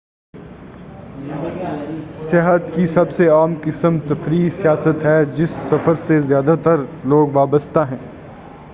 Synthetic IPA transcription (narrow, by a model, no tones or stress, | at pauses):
sɪɦət̪kisɐbseaːmkɪsəmt̪ɐfɾiːsijaːsət̪ɦɛd͡ʒɪsːɐfəɾsezjaːd̪at̪ɐɾloːɡʋaːbəst̪aɦɛ̃ː